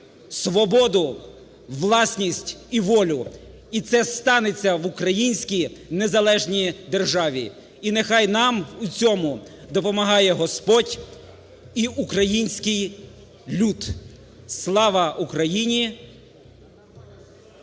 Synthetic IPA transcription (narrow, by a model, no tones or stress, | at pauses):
sʋɔbɔd̪ʊ | ʋlˠɑsʲnʲisʲtʲiʋɔlʲʊ | it̪sɛst̪ɑnet͡sʲːɐʋʊkɾɐjinʲsʲkʲijnezɐlˠɛʒnʲid̪erʒɑʋʲḭ | inexɑjnɑmut͡sʲɔmʊ | d̪ɔpɔmɐɦɑjɛɦɔspɔtʲ | iukɾɐjinʲsʲkɪj | lʲud̪ | slˠɑʋɐʔukɾɐjinʲi